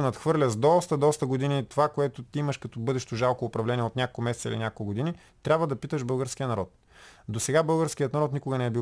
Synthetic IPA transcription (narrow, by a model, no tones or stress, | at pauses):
nɐt̪xvɤɾlʲəzd̪ɔst̪əd̪ɔst̪əɡod̪init̪ovakoɛt̪ʊt̪iiməʃkɐt̪obɤd̪ɛʃt̪oʒalˠkʊːpɾɐvlɛniɛot̪nʲako̥kʊmɛsɛt̪ḭlinʲakolˠɡod̪ini | t̪ɾʲabvəd̪ɐpit̪əʒbɤlˠɡəɾsk̟ijənɐɾɔt̪̚ | d̪osɛɡabɤlˠɡəɾsk̟ijət̪nɐɾɔt̪nikʊɡənɛɛbi